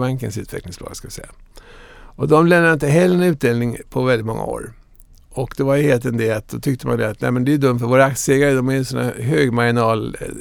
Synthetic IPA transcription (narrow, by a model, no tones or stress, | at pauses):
baŋkə̰nsʉ̟ːt̪vɛ̰klɪŋsplɑ̰ːɡskavɪsɛ̰jːa | ʔɔd̪ɔmlɛmnaɾɪnt̪əɦɛlːəɾɛnʉ̟ːt̪̚d̪eːlnɪŋpʰɔvɛlɪt̪mɔ̰ŋːa̰o̰ːɾ | ɔkd̪ɛvaɾjəheːlt̪ɛnd̪eːlt̪̚d̪ɔt̪ʰʏkt̪əma̰nd̪ɛat̪næ̰ɪmɛnd̪ɛjd̪ɵmːt̪fœɾvoːɾaakt̪seːɡaɾəd̪ɔmæɾjɛnsɔnæ̰ɦøːɡmaɡɪnɑːl